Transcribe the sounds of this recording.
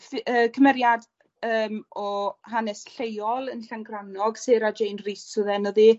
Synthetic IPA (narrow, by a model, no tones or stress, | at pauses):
fəːkʰəmɛɾjad | əːmɔhanɛsɬejɔlˠənɬaŋɡranɔɡseːɾad͡ʒejnrisuðɛnɔði